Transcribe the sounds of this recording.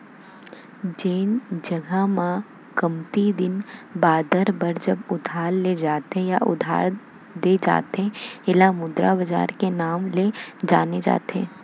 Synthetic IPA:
d͡ʒeːnd͡ʒɐɡamã | kəmt̪id̪ɪnbaːd̪əɾbɐɾd͡ʒɐbʊd̪ʱaːɾled͡ʒaːt̪ẽjaʔʊ̰d̪ʱa̰ːɾ | d̪ed͡ʒa̰ːt̪ɦẽɪlamʊd̪ɾa̰bɐd͡ʒa̰ːɾkenaːmled͡ʒaːned͡ʒa̰ːt̪ɦḛ̃ː

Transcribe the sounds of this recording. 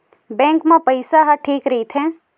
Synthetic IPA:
bɛ̃ːŋkmãpɐɪsaɦaʈʰiːkɾɐɦit̪ʰɛ̃ː

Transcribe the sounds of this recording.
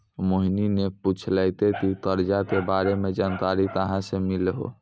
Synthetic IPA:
moɦinineput͡ʃʰlɛɪt̪et̪it̪əɾd͡ʒakebaɾemed͡ʒankaɾit̪əɦãsemilɦo̰

